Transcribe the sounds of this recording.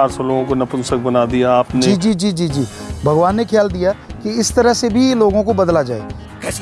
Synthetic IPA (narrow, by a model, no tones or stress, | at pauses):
aːɾsɔloːɡõkonɐpʊnsək̚bɐnad̪ijaːpned͡ʒiːd͡ʒiːd͡ʒiːd͡ʒiːd͡ʒiːbʱɐɡʋaːnːekʰjaːld̪ijakiɪst̪əɾəɦsebʱiloːɡõkobɐd̪lad͡ʒaːḛː